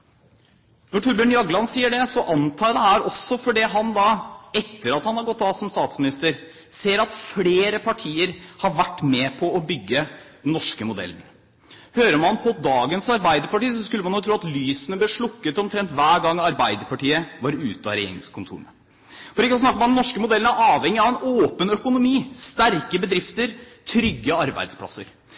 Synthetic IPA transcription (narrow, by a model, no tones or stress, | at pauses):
nɔʈʰuːɾbʉɳjɑɡlɑnsiːəɖɛsɔʔɑnt̪ʰɑːɑd̪ɛɦæːɾɔsːɔfɔɖɛɦɑnd̪ɑɛt̪ːəɾɑt̪hɑnhɑɾɡɔt̪ːɑːsɔmst̪ɑːt̪smɪnɪst̪əɾ | seːɾɑt̪fleːɾəpʰɑʈʰiːəɾhɑɾʋæʈːmɛpʰɔɔbʏɡːəd̪ɛnːɔʂkəmʊd̪ɛ̰lːn̩ | høːɾəmɑnpʰɔd̪ɑːɡənsɑɾbæɪd̪əɾpɑʈiːsɔskʉlːmɑnɔk̚t̪ɾuːɑt̪lyːsənəblɛʂɭʊkːət̪ɔmt̪ʰɾɛnt̪ʋæːɾɡɑŋːɑɾbæɪd̪əɾpɑʈiːəʋɑɾʉːt̪ɑɾḛŋəskʰʊnt̪ʰṵːɾmə | fɔɾɪkːsnɑkəmd̪ɛnɔʂkəmʊd̪ɛlːnæɾɑːʋhɛŋːɪɑʋæɪnoːpənœkʊnʊmiːst̪æɾkəbəd̪ɾɪft̪əɾ | t̪ʰɾʏɡːəɑɾbæ̰ɪd̪spʰlɑ̰səɾ